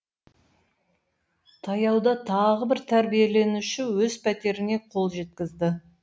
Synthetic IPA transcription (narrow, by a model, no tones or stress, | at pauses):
t̪ʰɑjɑwd̪ɑt̪ʰɑʁəbɪɾt̪ʰæɾbije̞le̞nuʃɪwɵzpʰæt̪e̞ɾɪne̞qʰo̞lˠʒe̞t̪kʲɪzd̪ɪ